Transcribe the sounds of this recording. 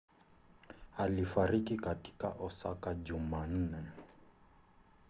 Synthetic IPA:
alifaɾikikati̥ka̰ʔɔsakad͡ʒuman̩nɛ

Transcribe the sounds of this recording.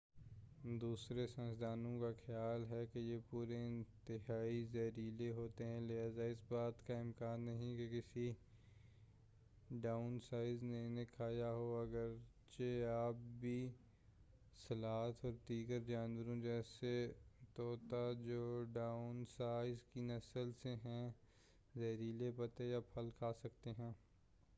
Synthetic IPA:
d̪uːsɾesə̃nsd̪aːnõkaxjaːlɦɛkejepuːɾeɪ̃nt̪ɪɦaːizɐɾiːleɦoːt̪eɦɛ̃lɪɦaːzaɪsbaːt̪kaɪmkaːnːɐɦĩkekɪsi | ɖaːʊnsaːɪznenekʰaːjaɦoɐɡəɾ | t͡ʃeaːp̚bʱi | sɐlaːt̪ʰɔːɾd̪iːɡəɾd͡ʒaːnwəɾõd͡ʒɛːset̪oːt̪ad͡ʒoːɖaːʊnsaːɪzkinɐsəlseɦɛ̃ | zɛːɾiːlepɐt̪ejaːpʰɐlkʰaːsɐkt̪eɦɛ̃ː

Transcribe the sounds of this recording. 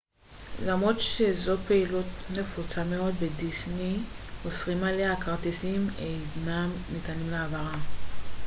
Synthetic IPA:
lamʁo̞d̪ʃezo̞pe̞ilutne̞fut͡sameo̞d̪bedisniosʁimaleakaʁt̪isimejnamnit̪animleavaʁam

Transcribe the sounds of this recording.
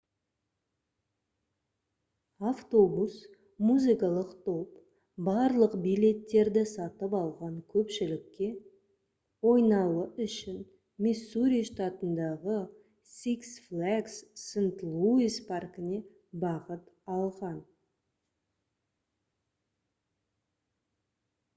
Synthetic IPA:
aft̪o̞bus | muzijkɑlˠəqt̪ʰo̞p | bɑɾlˠəqbijle̞t̪ːe̞ɾd̪ɪsɑt̪əpɑlˠʁɑɴkʲʰɵpʃɪlɪkʲːe̞ | wo̞jnɑləʏʃɪn | mʲesuɾʲijʃt̪at̪ənd̪ɑʁə | siksflaksːənt̪lˠuizpʰarkɪne̞ | bɑqət̪ɑlˠʁɑn

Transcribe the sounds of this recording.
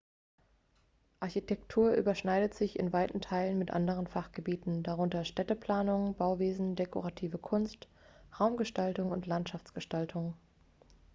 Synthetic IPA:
ʔaɐçitʰɛk̚tʰuːɐʔy̰ːbɐʃnaɪdətz̥ɪçɪ̰nvaɪtn̩tʰaɪlənmɪtʔa̰ndəʁ̞ənfaχɡ̥əbiːtn̩daʁʊntɐʃtɛtəpl̥aːnʊŋbaʊveːzn̩deko̰ʁatʰiːvəkʰʊnst | ʁaʊmɡəʃtaltʊŋʊntlantʃaft͡sɡ̥əʃtaltʰʊŋ

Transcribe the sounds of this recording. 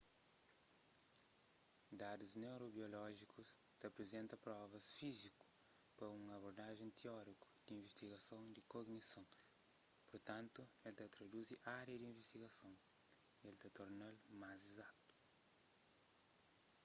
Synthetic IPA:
d̪ad̪uznewɾobiolɔʒikust̪ɐpɾezẽnt̪ɐpɾɔvɐsfiziku̥pɐɾũŋɐβoɾd̪aʒẽt̪ʰiɔɾiku̥d̪̥ĩviʃt̪iɣɐsõw̃d̪ɪkoɡnisɐ̃w̃ | poɾt̪ɐ̃nt̪uɛlt̪ɐt̪ɾod̪uziʔaɾjɐd̪ĩviʃt̪iɡɐsõw̃elt̪ɐt̪oɾnalmajzizakt̪u̥

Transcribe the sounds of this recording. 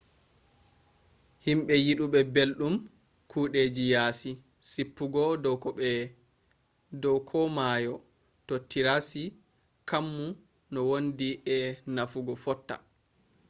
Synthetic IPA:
himɓɛjiɗuɓɛbelɗum | kʰuːɗed͡ʒijaːsi | sipːuɡɔdɔɛ | dɔwkʰɔmaːjɔ | tɔtːiɾasi | kamːu | nɔwondiʔɛnafuɡɔfɔtːa̰

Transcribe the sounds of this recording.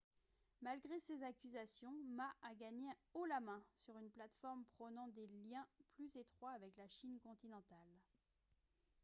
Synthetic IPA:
malɡʁesezakʲyzasjɔ̃maaɡaɲeolamɛ̃syʁynplat̪fɔʁmpχənɑ̃d̪eljɛ̃plyzet̪χwaːvɛklaʃinkɔ̃t̪inɑ̃t̪al

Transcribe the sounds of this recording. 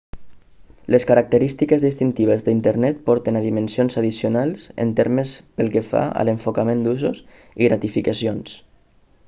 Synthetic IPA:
ləskaɾak̚t̪əɾist̪ikəzðist̪int̪iβ̞əzðəint̪əɾnɛt̪̚pɔɾt̪ənaðimənsionzaðisiunalˠsə̰nt̪eɾməspəlˠkefa̰ə̰ləɱfokamend̪uzus | iɣɾat̪ifikasions

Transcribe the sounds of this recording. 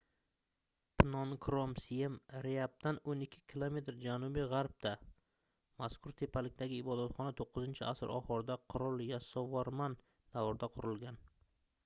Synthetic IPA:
pʰɪnɒnkʰɾomsiemɾeap̚t̪anonɪkʲʰːɪ̥kʲʰɪlˠome̞t̪ɾd͡ʒanʊbɪʁaɾb̚d̪̥a | maskʰʊɾt̪ʰe̞pʰalɪk̚ʲd̪aɡʲɪːbɒd̪at̪χɒnat̪ʰoqːɨzɪnt͡ʃʰɪ̰ʔasɪɾʔɒ̰χɒɾd̪aqʰʊɾɒlˠjasɒvɒɾman | d̪̥avɾd̪aqʰʊɾɪlˠɡʲan

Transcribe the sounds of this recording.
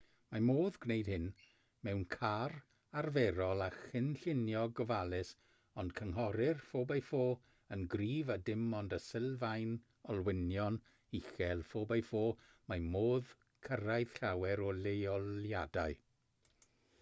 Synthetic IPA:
mamoːðɡnejd̥̚hɪn | mɛwnkʰar | arvɛɾɔlˠaxɪnɬɪnjɔɡɔvalˠɪs | ɔnd̥kʰəŋɦɔɾɪrfoːbafoː | ənɡriːvadɪmɔndəsɪlˠvajn | ɔlˠwɪnjɔn | ixɛlˠfoːbajfoː | mamoːð | kʰəɾajð̥ɬawɛɾɔlejɔljadaɨ

